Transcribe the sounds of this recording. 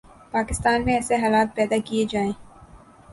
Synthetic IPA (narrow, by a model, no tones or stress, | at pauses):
paːkɪst̪aːnmẽɛːseɦaːlaːt̪̚pɛːd̪akied͡ʒaːẽː